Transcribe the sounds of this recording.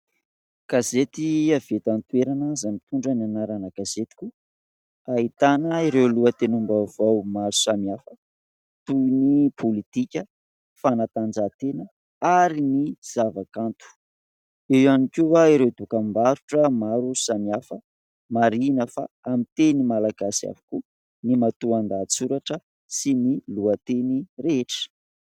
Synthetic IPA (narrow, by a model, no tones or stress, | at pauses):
ɡ̥azet̪iav̥et̪ant̪ueɾanazamit̪uɳɖ͡ʐənanaɾanəɡaz̥et̪i̥kʲu | ait̪anəiɾewluət̪enumbavawmaɾusamiafə | t̪uinipʰolit̪ikʲə | fanat̪and͡ʒat̪enə | aɾiniz̥avakant̪u̥ | ewanikʲuaiɾewd̪ukambaɾuʈ͡ʂəmaɾusamiafə | maɾinəfa̰ | amit̪enimalaɡasia̰vu̥ku | nimat̪uand̪at͡suɾaʈ͡ʂə | siniluət̪enireeʈ͡ʂə̥